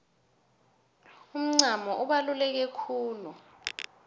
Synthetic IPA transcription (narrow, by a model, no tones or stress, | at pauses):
um̩ŋ͡ǀʱamɔʔuɓalulɛk̬ekʰuːlu